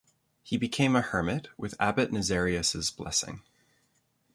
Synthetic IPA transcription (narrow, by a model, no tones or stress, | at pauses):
hibɨkʰẽɪ̃mɨhɜ˞mɨt̚wɨðæ̰bɨʔⁿnɨzɛɹiɨsɨzb̥lɛ̰sɪ̰̃ŋ